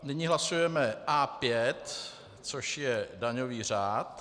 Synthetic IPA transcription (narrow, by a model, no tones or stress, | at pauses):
nɪɲɪɦlasujɛmɛʔaːpjɛt̪ | t͡soʃjɛdaɲo̞viːr̝aːt̪